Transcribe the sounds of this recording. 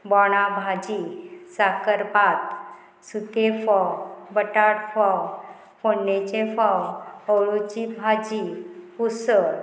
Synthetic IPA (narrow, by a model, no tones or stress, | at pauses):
bɔɽ̃abʱad͡ʑisakəɾpat̪ | sut̪efɔwbəʈaɽfɔw | fonːet͡ɕefɔwəwɭut͡ɕibʱad͡ʑipusəɾ